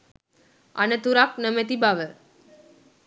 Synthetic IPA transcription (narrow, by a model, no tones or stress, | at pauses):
a̰net̪uɾak̚nəmet̪̬ibaʋə